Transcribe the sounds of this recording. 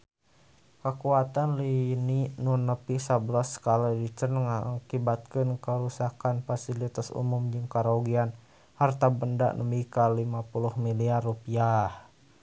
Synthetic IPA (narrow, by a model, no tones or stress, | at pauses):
kəkuat̪anlininunəpisabəlasːə̥kaladit͡ʃənŋakibat̪̚kənkəɾusakanfasilit̪asṵmumd͡ʒɨŋkaɾauɡian | hart̪abənda̰ʔnʔəmikalimapuluhmiliarupiah